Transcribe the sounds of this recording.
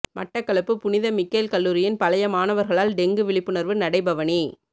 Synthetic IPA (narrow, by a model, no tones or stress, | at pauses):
mʔɐ̰ʈːɐkːɐɭɐpːɯpʊnɪðɐmɪkːeːlkɐlːuːɾɪjɪnpɐlɐjɐmaːnɐʋɐɾɣɐɭaːlɖɛŋɡɯʋɪɭɪpːɯnɐɾʋɯnɐɽɐɪbɐʋɐɳi